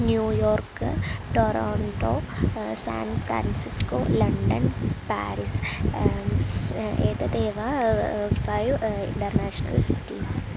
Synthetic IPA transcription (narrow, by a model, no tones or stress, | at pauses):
njuːjoːrkɨʈoɾoːɳʈoːsa̰ːnfɾa̰ːnsisko̰ːlɐɳɖɐnpa̰ːɾis | eːd̪ɐd̪eːʋa | fɐjʋḭɳʈɐrnaːʂɐnɐ̰lsḭtːis